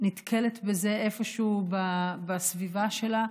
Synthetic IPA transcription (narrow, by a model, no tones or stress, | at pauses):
nit̪kʰelet̪beze̞efo̞ʃubabasvivaʃe̞la